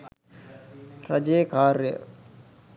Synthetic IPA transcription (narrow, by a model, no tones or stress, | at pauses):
ɾɐd͡ʒeːkaːɾjə̰